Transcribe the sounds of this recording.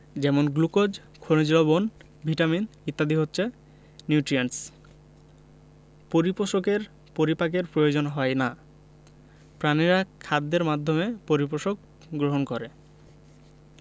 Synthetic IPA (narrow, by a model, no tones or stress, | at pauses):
d͡ʑɛmonɡlukod͡ʑ | kʰoɾid͡ʑlobon | bʱiʈaminit̪ːad̪iɦotːɕʰe | nuʈɾians | poɾipoʃokeɾ | poɾipakeɾpɾojod͡ʑonɦɔena | pɾaniɾakʰad̪ːeɾmad̪ʱːomepoɾipoʃok̚ | ɡɾoɦonkɔɾe